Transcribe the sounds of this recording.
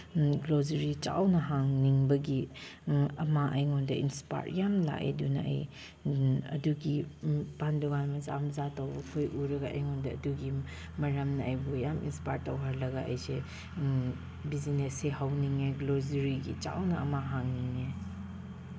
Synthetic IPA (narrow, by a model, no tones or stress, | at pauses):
ɡlozɐɾit͡ʃa̰wnɐɦaŋniŋbɐɡi | ɐmaʔɐjŋɔndɐinspa̰jɾjamla̰ʔḛdunɐ̰ʔɐ̰j | ɐ̰duɡipanduɡanmɐza̰mzatɐwbɐkʰojʔuɾɐɡaʔɐ̰jŋɔndɐɐ̰duɡi | mɐɾɐmnɐɐjbujamḭnspajtːɐwɦɐɾlɐɡaʔɐ̰jse | bizineseɦawniŋeɡlozɐɾiɡit͡ʃa̰wnɐɐmaɦaŋniŋe